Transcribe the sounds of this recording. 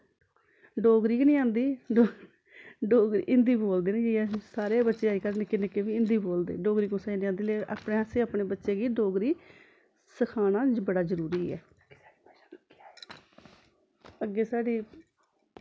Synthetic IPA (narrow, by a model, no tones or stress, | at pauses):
ɖoːɡɾiːkːnĩːãːnd̪iːo | ɖoːɡɾḭːʔɪnd̪iːboːld̪eːnẽːd͡ʒiɛsaːɾeːbətːʃeːaːiːkəɾnekɪnekeːʋiːɪnd̪iːboːld̪ḛːɖoːɡɾiːkõsanĩːãːnd̪iːleːʔa̰ːpɳeːaseːaːpɳeːbətːʃeːɡiːɖoːɡɾiː | səkʰaːnaːbəɽaːzəɾuːɾiːɛ̰ː | əɡːeːsaːɖiː